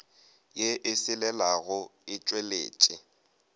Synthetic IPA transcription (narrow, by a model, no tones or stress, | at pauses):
jeʔɪsɪlɛlaɣʊɪt͡ʃʼwelḛːt͡ʃʼɪ